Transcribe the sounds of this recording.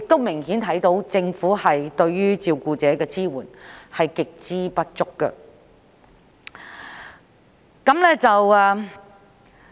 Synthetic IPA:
jɪ˨k̚t̪wmɪ˨˩ŋɦiː˨˥nt̪ʰɐ˨˥jt̪o˨˥wt͡sɪ˧ŋfuː˨˥hɐ˨jt̪ɵ˧ɥɥyː˥t͡siː˧wkuː˧t͡sɛː˨˥kɛː˧t͡siː˥wuː˨˩nhɐ˨jkɪ˨k̚t͡siː˥pɐ˥t̚t͡sʊ˥kːə̰˧ | kɐ˨˥mlɛː˥t͡sɐ˨wɛ˨

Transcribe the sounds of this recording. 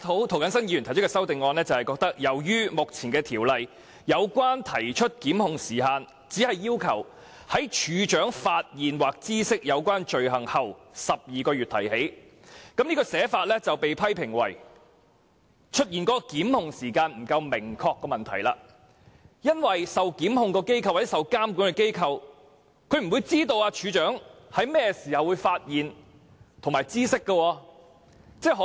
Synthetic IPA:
t̪ʰo˨˥wt̪ʰwkɐ˨˥nsɐ˥nji˧jy˨˩t̪ʰt͡ʃʰɵ˥kːɛː˧sɐ˥wt̪ɪ˨ŋːɔː˧nlɛː˥t͡sɐ˨whɐ˨jkɔː˧k̚t̪ɐ˥k̚jɐ˨˩wjyː˥mʊ˨k̚t͡sʰiː˨˩nkɛː˧t̪ʰiː˨˩wlɐ˨j | jɐ˨˧wkwaː˥nt̪ʰɐ˨˩jt͡ʃʰɵ˥t̚kiː˨˥mhʊ˨ŋsiː˨˩haː˨˧n | t͡siː˨˥hɐ˨jːiː˥wkʰɐ˨˩w | hɐ˨˥jt͡ʃʰyː˨˧t͡ʃœː˨˥ŋfaː˧t̚jiː˨nwaː˨k̚t͡siː˥sɪ˥k̚jɐ˨˧wkʷaː˥nt͡ʃɵ˨ɥɦɐ˨˩ŋhɐ˨wsɐ˨p̚jiː˨kɔː˧ɥyː˨t̪̚ʰɐ˨˩jhe˨˥j | kɐ˨˥mniː˥kɔː˧sɛː˨˥faː˧t̚lɛː˥t͡sɐ˨wpe˨jpʰɐ˥jpʰɪ˨˩ŋwɐ˨˩j | t͡ʃʰɵ˥t̚jiː˨˩nkɔː˨˥kɔː˧kiː˨˥mhʊ˨ŋsiː˨˩kaː˧nm̩˨˩kɐ˧wmɪ˨˩ŋkʰɔː˧kːɔː˧mɐ˨nt̪ʰɐ˨˩jla̰ː˧ | jɐ˥nwɐ˨jsɐ˨wkiː˨˥mhʊ˨˧ŋkɔː˧ke˥jkʰɐ˧waː˨˩t͡sɛ˦˥sɐ˨wkaː˥mkuː˨˥nkɛ˧ke˥jkʰɐ˨˧w | kʰɵ˨˧ɥm̩˨˩wu˨˧jt͡siː˥t̪o˧waː˧t͡ʃʰyː˨˧t͡ʃœː˨˥ŋhɐ˨˥jmɛː˥ɛsiː˨˩hɐ˨wuː˨˧jfaː˧t̚jiː˨n | t̪ʰʊ˨˩ŋmaː˨˩jt͡siː˥sɪ˥kːə˧wɔː˧ | t͡sɛː˥˩ɦ

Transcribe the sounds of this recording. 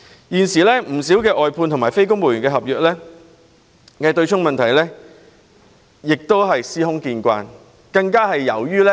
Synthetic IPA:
jiː˨˩nsiː˨˩lɛː˥m̩˨˩siː˨˥wkɛː˧ʔɔː˨jpʰuː˧nt̪ʰmaː˨˩jfe˥jkʊ˥ŋmo˨˩jɥyː˨˩ŋkɛː˧ɦɐ˨p̚jœː˨k̚lɛː˥ | kɛː˧t̪ɵ˧ɥt͡ʃʰʊ˥ŋmɐ˨nt̪ʰɐ˨˩jlɛː˥ | jɪ˨k̚t̪o˥wɦɐ˨jsiː˥hʊ˥ŋkiː˧nkʷa̰ː˧n | kɐ˧ŋkaː˥ɦɐ˨jːɐ˨˩wjyː˥lɛ˥

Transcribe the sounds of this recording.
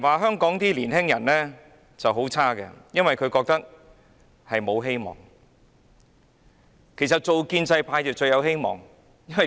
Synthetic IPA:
waː˨ɦœː˥ŋkɔː˨˥ŋt̪iː˥liː˨˩nɦɪ˥ŋjɐ˨˩nlɛː˥ | t͡sɐ˨wɦo˨˥wt͡sʰaː˥kɛ̰˧jɐ˥nwɐ˨jkʰɵ˨˧ɥkɔː˧k̚t̪ɐ˥k̚ | hɐ˨jmo˨˧wɦe˥jmɔ̰ː˨˩ŋ | kʰe˨˩sɐ˨t̚t͡ʃo˨wkiː˧nt͡sɐ˧jpʰaː˧jt͡sɐ˨˩wt͡ʃɵ˧jɐ˨˧whe˥jmɔ̰ː˨˩ŋ | jɐ˥nwɐ˨˩

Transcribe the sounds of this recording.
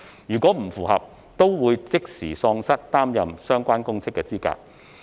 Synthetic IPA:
jyː˨˩kʷɔ˨˥m̩˨˩fuː˨˩hɐ̰˨p̚ | t̪o˥wwuː˨˧jt͡sɪ˥k̚siː˨˩sɔː˧ŋsɐ˥t̚t̪aː˥mjɐ˨msœː˥ŋkʷaː˥nkʊ˥ŋt͡sʰɪ˥kːɛː˧t͡siː˥ka̰ː˧k̚

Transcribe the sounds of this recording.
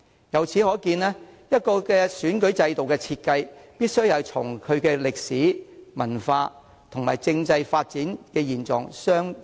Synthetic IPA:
jɐ˨˧wt͡sʰiː˨˥hɔː˨˥kiː˧nlɛː˥jɐ˥t̚kɔː˧kɛː˧syː˨˥nkɵ˨˥ɥt͡sɐ˧jt̪o˨˩wkɛː˧t͡sʰiː˧t̚kɐ˧jpiː˥t̚sɵ˥ɥjɐ˨˧wt͡sʰʊ˨˩ŋkʰɵ˨˧ɥkɛː˧lɪ˨k̚siː˨˥mɐ˨˩nfaː˧ | t̪ʰʊ˨˩ŋma̰ː˨˩jt͡sɪ˧ŋt͡sɐ˧jfaː˧t̚t͡siː˨˥nkɛː˧jiː˨˩nt͡sɔ̰ː˨˩ŋsœː˥ŋ

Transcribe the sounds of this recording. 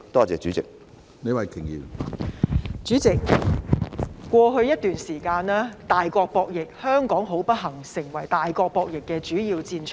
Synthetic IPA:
t̪ɔː˥t͡sɛː˨t͡ʃy˨˥t͡sɪ˨k̚ | ne˨˧jwɐ˨jkʰɪ˨˩ŋjḭː˨˩w | t͡ʃyː˨˥t͡sɪ˨k̚ | kːʷɔː˧ɦɵ˧ɥjɐ˥t̚t̪yː˨nsiː˨˩kaː˧naː˥t̪aː˨jkɔː˧k̚pɔː˧k̚jɪ˨k̚hœː˥ŋkɔː˨˥ŋɦo˨˥wpɐ˥t̚ɦɐ˨˩ŋsɪ˨˩ŋwɐ˨˩jt̪aː˨jkɔː˧k̚pɔː˧k̚jɪ˨kːɛ˧t͡ʃyː˨˥jiː˧wt͡siː˧nt͡ʃʰ

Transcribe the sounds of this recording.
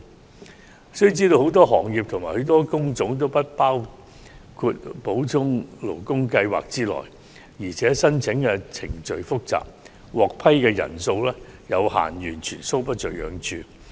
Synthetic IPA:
sɵ˥y˨t͡siː˥t̪o˧ho˨˥wt̪ɔː˥ɦɔː˨˩ŋjiː˨p̚t̪ʰʊ˨ŋmaː˨˩hɵ˨˥t̪ɔː˥kʊ˥ŋt͡sʊ˨˧˥ŋt̪̬o˥wpɐ˥t̚paː˥w | kʰuː˧t̚po˨˥wt͡sʰʊ˥ŋlo˨˩wkʊ˥ŋkɐ˧jwa̰ː˨k̚t͡siː˥lɔ̰ː˨˩j | jiː˨˩t͡sʰɛː˨˥sɐ˥nt͡sʰɪ˨˥ŋkɛ˧t͡sʰɪ˨˩ŋt͡ʃɵ˨˧ɥfʊ˥k̚t͡sa̰ː˨p̚ | wɔː˨k̚pʰɐ˥jkɛː˧jɐ̰˨˩nso˧wlɛː˥jɐ˨˧wha̰ː˨˩njyː˨˩nt͡ʃʰyː˨˩nso˥wp̬ɐ˥t̚t͡ʃɵ˨ɥjœ̰ː˨˧ŋt͡ʃʰyː˧

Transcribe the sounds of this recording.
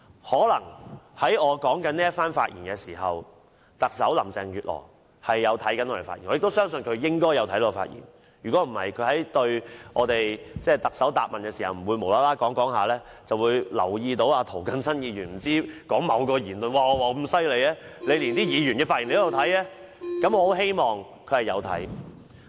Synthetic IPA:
hɔː˨˥lɐ˨˩ŋhɐ˨˥jɔː˨˧kɔː˨˥ŋkɐ˨˥nliː˥jɐ˥t̚faː˥nfa̰ː˧t̚jḭ˨˩nkɛː˧siː˨˩ɦɐ˨w | t̪ɐ˨k̚sɐ˨˥wlɐ̰˨˩mt͡sɛ˨ŋjyː˨t̚lʔɔ̰ː˨˩ | hɐ˨jːɐ˨˧wt̪ʰɐ˨˥jkɐ˨˥nɔː˧ɾe˨˩fa̰ː˧t̚ḭ˨˩nɔː˨˧ɪ˨kto˥wsœː˥ŋsɵ˧nkʰɵ˨˧ɥjɪ˥ŋkɔː˥jɐ˨˧wt̪ʰɐ˨˥jlɔː˧˥ɔ˧fa̰ː˧t̚jḭ˨˩n | jy˨kɔ˨˥m̩˨˩hɐ̰˨jkʰɵ˨˧ɥhɐ˨˥jt̪ɵ˧ɥʔɔː˨˧t̪e˨jt͡sɛː˥˩t̪ɐ˨k̚sɐ˨˥wt̪aː˧p̚mɐ˨nkɛ˧siː˨˩hɐ˨wm̩˨˩wuː˨˧jmo˨˩wlaː˨˥laː˥kɔː˨˥ŋkɔː˨˥ŋɦaː˨˧lɛː˥ | t͡sɐ˨wuː˨˧jlɐ̰˨˩wjiː˧t̪o˨˥waː˧t̪ʰo˨˩wkɐ˨nsɐ˥njiː˨˧jyː˨˩nm̩˨˩t͡siː˥kɔː˨˥ŋmɐ˨˧wkɔː˧jiː˨˩nlɵ˨nwaː˨˩ɔ˨˧waː˨˧k̩˥msɐ˥jle˨˧jɛː˥le˨˧jli˨˩nt̪iː˥jiː˨˧jyː˨˩nkɛ˧faː˧t̚ʔi˨˩nle˧˥˨t̪ʰɐ˨˥jɛː˥ | kɐ˨˥mɔː˨˧ho˨˥wɦe˥jmɔː˨˩ŋ | kʰɵ˨˧ɥhɐ˨jɐ˨˧wt̪ʰɐ̰˨˥j

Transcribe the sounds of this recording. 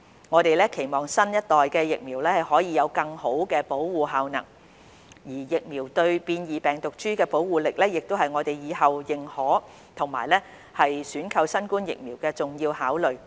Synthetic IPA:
ŋɔː˨˧t̪e˨jlɛː˥kʰe˨˩jmɔː˨˩ŋsɐ˥njɐ˥t̚t̪ɔː˨jkɛː˧jɪ˨k̚miː˨˩wlɛː˥hɐ˨jhɔː˨˥jiː˨˧jɐ˨˧wkɐ˧ŋho˨˥wkɛː˧po˨˥wwuː˨ɦaː˨˧wnɐ̰˨˩ŋ | jiː˨˩jɪ˨k̚miː˨˩wt̪ɵ˧ɥpiː˧njiː˨pɛː˨˩ŋt̪ʊ˨k̚t͡ʃyː˥kɛː˧po˨˥wwuː˨˩lɪ˨k̚lɛː˥jɪ˨k̚t̪o˥wɦɐ˨jŋɔː˨˧t̪e˨jjiː˨˧hɐ˨˩wjɪ˨ŋhɔː˨˥ | t̪ʰʊ˨˩ŋma̰ː˨˩jlɛː˥ | hɐ˨jsyː˨˥nkʰɐ˧wsɐ˥nkuː˥njɪ̰˨k̚miː˨˩wkɛː˧t͡sʊ˨ŋjiː˧whaː˨˥wlɵ˨˩ɥ

